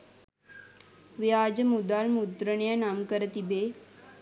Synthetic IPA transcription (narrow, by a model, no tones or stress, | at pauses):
ʋjaːd͡ʒəmud̪almud̪ɾəɳjənaːmkəɾət̪ibe